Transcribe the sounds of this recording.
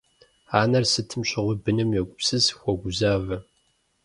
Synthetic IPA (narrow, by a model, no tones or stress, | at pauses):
aːnɐrsɨtʰɨmɕɪʁʷʊbɨnɨmjɛɡʷʼʊpsɨzxʷɔɡʷʊzaːvɐ